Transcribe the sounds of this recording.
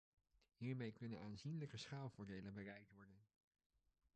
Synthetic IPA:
ɦiːɹmejkɵnənaːnzinləkəsχaːlˠvʊːɹdejlənbərɛjk̚tʋɔɹdən

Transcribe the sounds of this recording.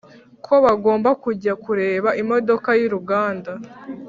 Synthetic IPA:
kʰo̞βaɡo̞ːmbakuɟakuɾe̞ːβaʔimo̞do̞kajiɾuɡaːnda

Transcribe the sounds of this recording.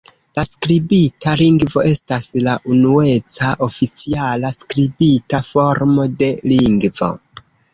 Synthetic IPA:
laskɾibitʰaliŋɡvo̞e̞staslaʔunue̞t͡saʔo̞fit͡sialaskɾibitafo̞ɾmo̞de̞liŋɡvo̞̰

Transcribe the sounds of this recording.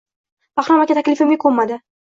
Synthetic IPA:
baχɾɒmakʲat̪ʰakʲlɪfɪmʲɪkʰomːad̪ɪ

